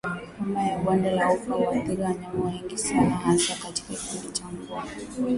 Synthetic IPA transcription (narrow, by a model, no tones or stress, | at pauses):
umajaɓwandɛlaupaaθiɾiwaɲamɔwɛŋɡisianahanzakati̥kaki̥pindit͡ʃamɡu